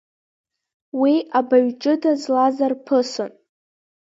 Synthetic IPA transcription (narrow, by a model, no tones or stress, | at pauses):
wiabaɥʈ͡ʂʼɨdazlazarpʰɨson